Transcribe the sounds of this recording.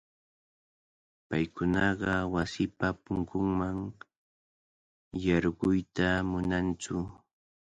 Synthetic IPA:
pajkʊnɑɢɑwasɪpapʊŋkʊŋmaŋ | jɑɾɢʊjt̪amʊnant͡sʊ

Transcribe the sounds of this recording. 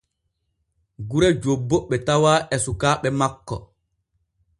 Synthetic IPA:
ɡuɾɛd͡ʒobːoɓːɛtawaːʔɛsukaːɓɛmakːɔ̰

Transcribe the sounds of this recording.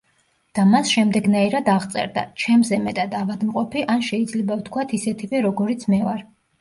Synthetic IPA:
d̪̥amasʃɛmd̪ɛɡnaiɾad̪aʁt̪sʼɛ̰ɾd̪a̰t͡ʃʰɛmzɛmɛt̪ʼad̪avad̪mqʼɔpʰiʔanʃɛid̪zlɛbavt̪ʰkʰwat̪ʰisɛt̪ʰivɛɾɔɡɔɾit̪sʰmɛvaɾ

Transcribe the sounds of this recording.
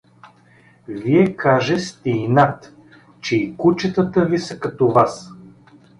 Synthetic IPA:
viɛkaʒɛst̪ɛinat̪ | t͡ʃɛikut͡ʃət̪ət̪əvisɐkɐt̪ovas

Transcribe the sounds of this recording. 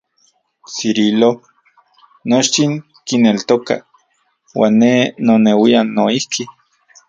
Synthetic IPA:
siɾilo | not͡ʃt̪iŋ | kinelt̪oka̰ | wa̰ːnːenonewianoihkʰi

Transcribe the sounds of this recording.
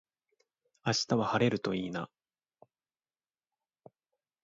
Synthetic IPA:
aɕi̥t̪aβahaɾe̞ɾɯ̟t̪o̞iːna̰

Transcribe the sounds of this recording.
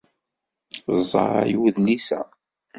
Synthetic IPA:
zˤːɑ̰ɾˤɑ̰jwðlisæ̰

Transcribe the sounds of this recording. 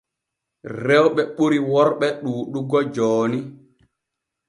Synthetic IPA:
rɛwɓɛɓuɾiwɔɾɓɛɗuːɗuɡɔd͡ʒɔːni

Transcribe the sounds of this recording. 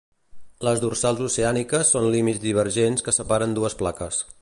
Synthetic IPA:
ləzðursalˠzuseanikəsːonlimid͡zd̪iβ̞əɾʒenskəsəpaɾənd̪uəsplakəs

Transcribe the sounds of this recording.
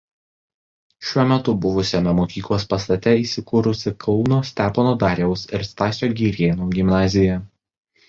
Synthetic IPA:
ʃʲuɔmʲɛt̪ʊbʊʋʊsʲoːmʲɛmoːkʲiːklˠoːspɐst̪ɐt̪ʲɛiːsʲɪkʊɾʊsʲɪkʰɒʊnoːsʲt̪ʲæːponoːd̪ɑːɾʲjɛʊsɪɾst̪ɑːsʲoːɡʲiːɾʲeːnuːɡʲɪmnɑːzʲɪjɛ

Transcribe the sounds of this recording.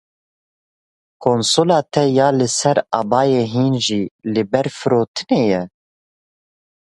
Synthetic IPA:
kʰoːnsoːlɑːt̪ʰɛjɑːlɨsɛɾɑːbɑːjeːɦiːnʒiːlɨbɛɾfɨɾoːt̪ʰɨneːjɛ

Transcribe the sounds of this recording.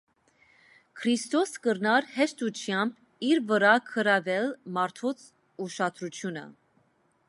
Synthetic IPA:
kʰɾist̪ɔskəɾnɑɾhɛʃt̪utʰjɑmb | iɾvəɾɑkʰəɾɑvɛlmɑɾt̪ʰɔt͡sʰ | uʃɑt̪ʰɾut͡sʰjunə̰

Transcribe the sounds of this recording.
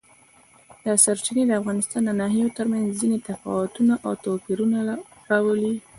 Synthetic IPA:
d̪əsaɾt͡ʃined̪əafɣɑnɪst̪ɑnd̪ənɑɦjot̪əɾmanzzinet̪afɑ̰wat̪unaʔawt̪opiɾunaɾɑwəli

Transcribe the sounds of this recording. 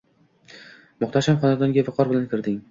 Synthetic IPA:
mʊχt̪ʰaʃhamχɒnad̪ɒŋɡʲavɪqʰɒɾbɪlankʲʰɪɾd̪ɪŋ

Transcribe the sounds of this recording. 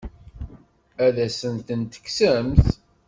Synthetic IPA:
æðæsənt̪ənt̪ə̥ksəmθ

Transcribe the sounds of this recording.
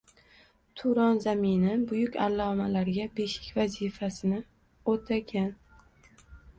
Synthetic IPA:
t̪ʰʊɾɒnzamɪnɪbʊjʊkʲalːɒmalaɾɡʲabe̞ʃɪ̥kʲvazifasɪnɪ | ot̪ʰakʲʰan

